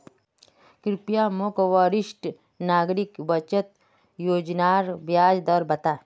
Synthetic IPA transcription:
kɾɪpjamokʋaɾɪʃʈ | naːɡɾikbɐt͡ʃət̪ | joːd͡ʒnaːɾbjaːd͡ʒd̪ɐɾbɐt̪a

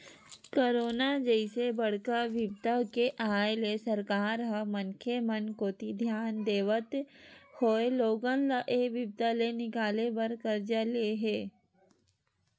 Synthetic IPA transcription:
koːɾoːnad͡ʒəɪsebəɽ̤kaʋɪbt̪akeʔaːjlesɐɾkaːɾɦɐəmənkʰemənkoːt̪id̪ʱjaːnd̪eːʋət̪hoːeloːɡənlaʔeːʋɪb̚t̪alenɪkaːlebəɾkəɾd͡ʒaleɦeː

